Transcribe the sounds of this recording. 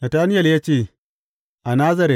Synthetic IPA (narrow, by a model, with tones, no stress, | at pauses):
na˨taː˦nɪ˦jɐ˨lja˦t͡ʃeː˦˨ | ʔa˨na˦zɐ˦ɾɛ˨